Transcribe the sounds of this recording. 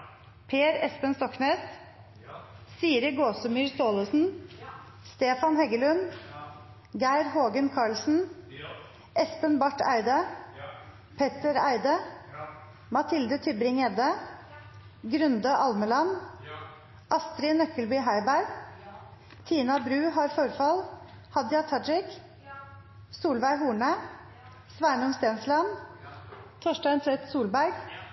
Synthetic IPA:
pʰeːɾɛspənst̪ɔknɛːs | siːɾəɡoːsəmyːɾst̪oːləsn̩ | st̪eːfɑnhɛɡəlʉn | ɡæɪɾhoːɡənkʰɑːɭsn̩ | ʔɛspənbɑʈæ̰ɪd̪ə | pʰɛt̪əɾæ̰ɪd̪ə | mɑt̪ʰɪld̪ət̪ʰʏbɾɪŋɛd̪ə | ɡɾʉnd̪əʔɑlməlɑn | ʔɑst̪ɾɪnœkəlbyːɦæɪbæɾɡ | t̪ʰiːnɑbɾʉːhɑːɾfɔɾfɑl | hɑd̪ɪɑt̪ʰɑd͡ʒɪk | suːlʋæɪɦuːɳə | sʋæːɳʊmst̪eːnslɑn | t̪ʰoːʃʈæɪnsʰɾɛt̪suːlbæɾɡ

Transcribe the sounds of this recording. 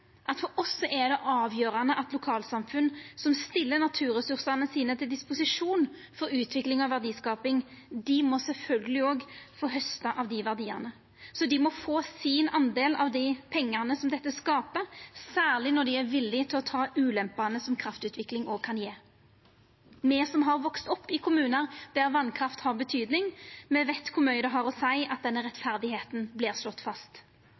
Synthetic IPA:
ʔɑt̪fɔɾʔɔsːɔʔɛd̪ɛʔɑːʋjøːɾɑnəʔɑt̪lʊkʰɑːlsɑmfʉnsɔmst̪ɪlːənɑt̪ʰʉːɾɛsʉʁsɑnəsiːnət̪ʰɪld̪ɪspʊsɪʂuːn | fɔɾʉːt̪ʰʋɪklɪŋɔʋæʁd̪iːskɑːpɪŋd̪ɪmɔsɛlfœlɡəlɪoːɡfoːɦœst̪ɑʔɑʋd̪ɪʋæʁd̪iːɑ̰nə | sɔd̪ɪmɔfoːsɪnɑnd̪eːlɑ̰ʋd̪ɪpʰɛŋːəʁnəsɔmd̪ɛt̪ːəskɑːpəɾsæːʁlɪnɔd̪ɪæɾʋɪlːɪt̪ʰɪlɔt̪ʰɑːʉːlɛmpɑnəsɔmkʰɾɑft̪ʉːt̪ʋɪklɪŋɔːɡkʰɑnjeː | mɛːsɔmɦɑɾʋɔkst̪ɔpːɪkʰʊmʉːnəɾd̪̥æɾʋɑnkʰɾɑft̪hɑʁbət̪ʰyːd̪nɪŋmɛʋɛɪt̪kʰʊɾmœʏd̪ɛɦɑɾɔsæɪʔɑt̪̚d̪ɛnːəɾɛt̪fæʁd̪ɪheːt̪n̩blɪːʁslɔt̪ːfɑst̪

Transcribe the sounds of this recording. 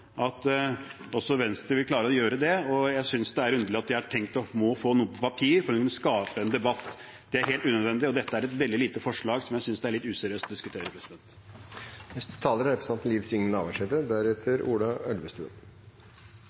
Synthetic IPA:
ʔɑt̪ | ɔsɔʋɛnst̪ɾəʋɪlklɑːɾəɔjøːɾəd̪ɛɔjæɪsʏnsd̪ɛæɾʉnd̪əɭɪɑt̪̚d̪ɪhɑʈʰɛŋkt̪ɔmɔfoːnuːəpʰɔpɑpʰiːɾfɔɾɛk̪nskɑːpəɛnd̪ɛbɑt̪ː | d̪̥ɛæɾheːlt̪ʉːnəd̪ʋɛnd̪ɪɔd̪ɛt̪ːəæɾɛt̪ʋɛld̪ɪliːt̪əfɔʂɭɑːɡsɔmjæɪsʏnsd̪ɛæɭɪt̪ːʉːsɛɾɪøːst̪ɔd̪ɪskʉt̪ʰeːɾəpʰɾɛsɪd̪ɛnt̪ | nɛst̪ə̥t̪ʰɑːləɾɛt̪ːsmɑt̪m̩liːʋsʏŋənɑ̰ːʋæʂɛd̪əd̪æɾɛt̪ʰəɾuːlɑœlʋəst̪ʉːə̰n

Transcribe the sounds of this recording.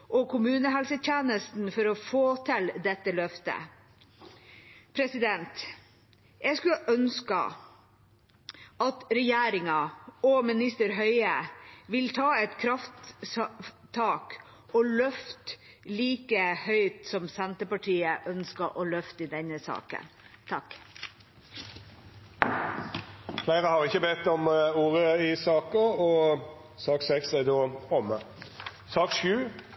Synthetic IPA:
ʔɔkʰʊmʉːnəɦɛlsət̪ʰjeːnəst̪n̩fɔɾɔfoːt̪ʰɛld̪ɛt̪ːəlœft̪ə̰ | pʰɾɛsɪd̪ɛnt̪ | jɛɡskʉʔœnskə̰ | ʔɑt̪ɾɛjeːɾɪŋɑɔmɪnɪst̪əɾɦœʏəʋɪlt̪ʰɑːɛt̪kʰɾɑft̪ | t̪ʰːɑːk | ɔlœft̪ | liːkəhœʏt̪sɔmsɛnt̪əpɑʈʰiːəʔœnskəʔɔlœft̪ɪd̪ɛnəsɑ̰ːkə̰nt̪ʰɑk | flæɪʁəhɑʁɪçːəbɛt̪ːɔmuːʁəɪsɑːkəɔsɑːksɛksæd̪oːɔmə | sɑːkʃʉː

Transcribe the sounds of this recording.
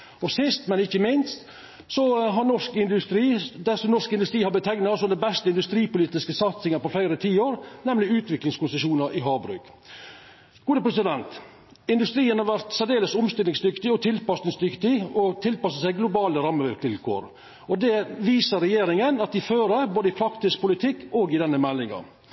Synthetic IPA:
ɔsɪst̪mɛnɪçːəmɪnst̪ | sɔɦɑɾnɔʂkɪnd̪ʉst̪ɾiːd̪æsɔmnɔʂkɪnd̪ʉst̪ɾiːhɑɾbət̪ʰɛŋnɑsɔd̪ɛbɛst̪əɪnd̪ʉst̪ɾiːpʊliːt̪ɪskəsɑt̪sɪŋəpɔfæɪɾət̪ʰiːoːɾnɛmlɪʉːt̪ʰʋɪklɪŋskʊnsəʃuːnəɾʔɪɦɑːbɾʉ̰ːɡ̥ | ɡ̥uːd̪əpʰɾɛsɪd̪ɛnt̪ | ɪnd̪ʉst̪ɾiːənhɑɾʋæɾt̪sɛd̪eːləsʊmst̪ɪlɪŋsd̪ʏkt̪ɪɔt̪ʰɪlpɑsnɪŋsd̪ʏkt̪ɪɔt̪ʰɪlpɑsəsæɪɡlʊbɑːləɾɑmːəʋɪlkt̪ɪlkʰo̰ːɾ | ɔd̪ɛʋiːsəɾɛjeːɾɪŋənɑt̪̚d̪ɪføːɾəboːd̪əɪpʰɾɑkt̪ɪskpʊlɪt̪ʰɪkːɔːɡɪd̪ɛnːəmɛlːɪŋɑ̰

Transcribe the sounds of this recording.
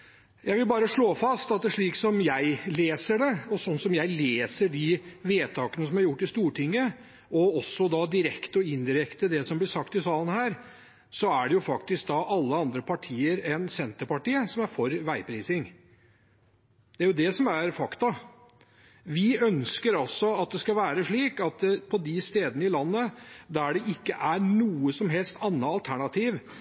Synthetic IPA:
jæɪʋɪlbɑːɾəʂɭoːfɑst̪ɑt̪̚d̪ɛʂɭiːksɔmjæɪleːsəɖɛɔsɔnːsɔmjæɪleːsəɖɪʋeːt̪ʰɑːkənəsɔmæɾjʊʈːɪst̪uːʈʰɪŋːə | ɔɔsːɔd̪ɑd̪ɪɾɛkt̪ɔɪnd̪ɪɾɛkt̪əd̪ɛsɔmblɪʂɑkt̪ɪsɑːlənhæːɾ | sɔæɖɛjʊfɑkt̪ɪsk̚d̪ɑʔɑlːəɑnd̪ɾəpʰɑʈʰiːəɾɛnsɛnt̪əɾpɑʈiːəsɔmæɾfɔɾʋæɪpʰɾiːsɪŋ | d̪ɛæɾjʊd̪ɛsɔmæɾfɑkt̪ɑ | ʋɪœnskəɾɑlsɔɑt̪̚d̪ɛskɑʋæːɾəʂɭiːkɑt̪̚pʰɔd̪ɪst̪eːd̪ənəɪlɑnːəd̪æɖɛʔɪkːəʔæɾnuːəsɔmɦɛlst̪ɑnːəɑlt̪ʰæɳɑt̪ʰiːʋ

